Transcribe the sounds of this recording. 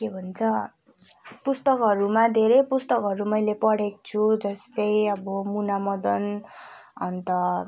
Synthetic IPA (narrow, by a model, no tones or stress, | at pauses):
kebʱʌnt͡sʰʌ | pust̪ʌkɦʌɾumad̪ʱeɾʌjpust̪ʌkɦʌɾumʌjlepʌɽekt͡sʰud͡zʌst͡saj̃ʌbʌmunamʌd̪ʌn | ʌ̰nt̪ʌ